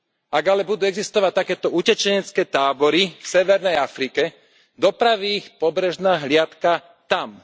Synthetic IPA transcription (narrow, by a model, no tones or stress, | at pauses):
aɡalɛbud̪uːɛɡzist̪ɔʋac̚t̪akɛːt̪ɔucɛt͡ʃɛɲɛt͡skɛːt̪aːbɔɾifsɛʋɛɾnɛjafɾikɛ | d̪ɔpɾaʋiːxpɔbɾɛʒnaːɦlɪat̪ka | t̪am